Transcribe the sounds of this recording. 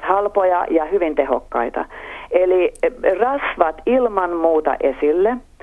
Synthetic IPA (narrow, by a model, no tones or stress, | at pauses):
hɑlpojɑ̰jɑhyʋint̪eho̰kːɑit̪ɑ̰elirɑsʋɑt̪ilmɑnmuːt̪ɑ̰ʔesilːe